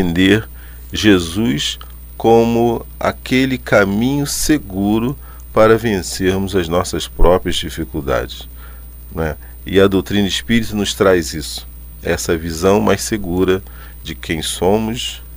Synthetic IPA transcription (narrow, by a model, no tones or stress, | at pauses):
ẽnd̪eɾ | ʒezujs | kõmʊa̰kelɪkamĩɲʊseɡuɾʊ | paɾɐvẽseɾmʊzɐznɔsɐspɾɔpɾiɐzd͡ʒifikuwd̪a̰d͡ʒɪs | nwɛ | ɪɐd̪owt̪ɾĩnɐispiɾit̪ʊnʊst̪ɾajzisʊ̥ | ɛsɐvizɐ̃w̃majsseɡuɾɐ | d͡ʒɪkʰẽj̃sõmʊs